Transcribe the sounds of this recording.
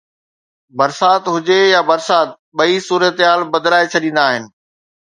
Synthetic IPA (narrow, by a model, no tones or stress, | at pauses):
bɐɾsaːt̪ɦʊd͡ʑejabɐɾsaːt̪̚ɓɐisuːɾət̪ɦaːlbɐd̪laːet͡ɕʰɐɗĩːn̆d̪aːɦɪnɪ̆